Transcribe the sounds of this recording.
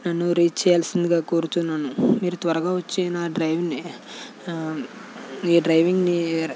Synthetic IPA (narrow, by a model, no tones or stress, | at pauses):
nɐnːuɾiːt͡ʃt͡ʃːɛːjaːlɐsind̪iɡaːkoːɾut̪unːaːnumiːɾut̪ʋɐɾɐɡaːʋɐt͡ʃːenaɖɾɐjʋni | iːɖɾɐjʋiŋɡni